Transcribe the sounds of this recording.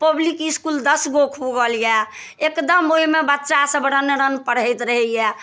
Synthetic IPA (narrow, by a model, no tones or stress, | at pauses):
pəblikiskuld̪əsɡokʰuɡəljɛ | ekd̪əmoimebətːʃasəbəɽənɾənpəɽəjt̪ɾəɦɛjɛ